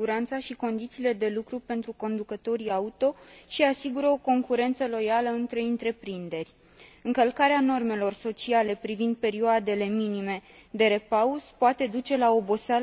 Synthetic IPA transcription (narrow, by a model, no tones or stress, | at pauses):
uɾant̪saʃiko̞nd̪it̪siːle̞d̪e̞lukɾupe̞nt̪ɾuko̞nd̪ukət̪o̞ɾiaut̪o̞ʃiasiɡuɾəo̞ko̞ŋkuɾe̞nt̪səlo̞jaləɨnt̪ɾe̞ɨnt̪ɾe̞pɾind̪e̞rʲ | ɨŋkəlkaɾeano̞rme̞lo̞rso̞t͡ʃiale̞pɾivind̪̚pe̞ɾioad̪e̞le̞minime̞d̪e̞ɾe̞pauspoat̪e̞d̪ut͡ʃe̞lao̞bo̞sa